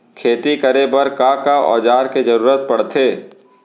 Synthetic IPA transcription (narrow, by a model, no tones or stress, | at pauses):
kʰeːt̪ikɐɾebɐɾkakaɔ̰ːd͡ʒaːɾked͡ʒɐɾuːɾət̪̚pɐɽt̪ʰeː